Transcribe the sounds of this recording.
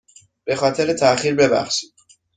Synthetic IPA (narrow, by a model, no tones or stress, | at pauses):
b̥e̞xɒːt̪ʰe̞ɾet̪ʰæxiːɾbe̞bæ̰xʃi̥d̪̥